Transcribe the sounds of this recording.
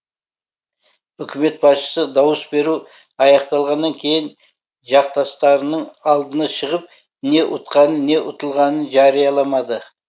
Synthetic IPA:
ʏkʲʰɪme̞t̪̚bɑsʃə̥səd̪ɑwəsbe̞ɾu | ɑjɑqt̪ɑlˠʁɑnːɑŋkʲʰe̞jɪn | ʒɑqt̪ɑst̪ɑɾənəɴɑlˠd̪ənɑʃəʁəp̚ | ne̞ʔʊt̪qɑnənnːe̞ʔʊt̪əlˠʁɑnənʒɑɾijɑlˠɑmɑd̪ə

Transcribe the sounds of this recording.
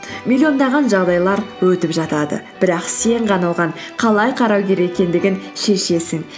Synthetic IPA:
mʲilʲːijo̞nd̪ɑʁɑnʒɑʁd̪ɑjlˠɑɾwɵt̪ɪpʒɑt̪ɑd̪ə̰b̥ɪɾɑqse̞ɴqʰɑnɑw̪ʁɑɴ | qʰɑlˠɑjqʰɑɾɑwɡʲe̞ɾe̞kʲe̞nd̪ɪɡʲɪnʃe̞ʃe̞sɪŋ

